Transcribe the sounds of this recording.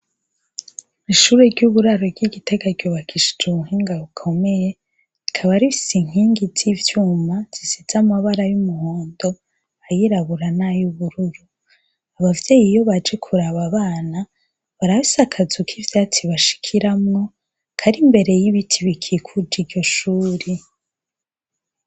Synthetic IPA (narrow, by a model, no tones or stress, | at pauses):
iʃuɾe̞ɾɟuβuɾaɾoɾɡiɡite̞ɡaɾɟ̥oːβakʰiʃe̥d͡ʒumuɦiːŋɡaβukʰo̞me̞je̞ | ikʰaβaɾiisiŋ̥iːŋɡizivjuːmaz̥iziz̥amaβaɾajumuhoːndo̞ | ajiɾaβuɾanajuβuɾuɾu | aβavje̞ːjijo̞βad͡ʒe̞kʰuɾaβaβaːna | βaɾaβisakʰazukʰivjaːt͡siβaʃi̥kʰiɾamŋo̞ | kʰaɾimbe̞ɾe̞jiβitʰiβikʰiekʰud͡ʒiɾɟo̞ʃuːɾi